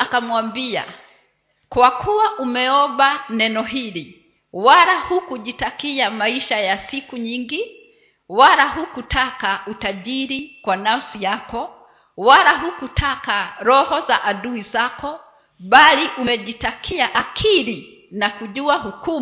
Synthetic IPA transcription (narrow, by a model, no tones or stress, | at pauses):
akamwambia̰ | kwakʰuwaʔumɛɔɓanɛnɔɦili | waɾahukuʄitakiamaiʃajasikuɲiŋɡi | walaɦukutʰakautaʄiɾikwanafsijakɔ | walaɦukutʰakaɾɔhɔza̰ʔaɗuizakɔ | ɓaliʔumɛʄitakʰiaʔakʰili | nakuʄuahuku